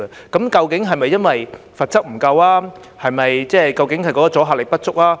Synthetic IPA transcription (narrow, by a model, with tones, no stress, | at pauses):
ə˧kɐ˨˥mkɐ˧wkɪ˨˥ŋɦɐ˨jmɐ˨jːɐ˥nwɐ˨j | fɐ˨t̚t͡sɐ˥k̚m̩˨˩kɐ˧wlaː˥ | hɐ˨jmɐ˨jt͡sɛː˥˩kɐ˧wkɪ˨˥ŋhɐ˨jkɔː˨˥kɔː˨˧t͡sɔː˨˥ɦaː˧t̚lɪ˨k̚pɐ˥t̚t͡sʊ˥k̚laː˥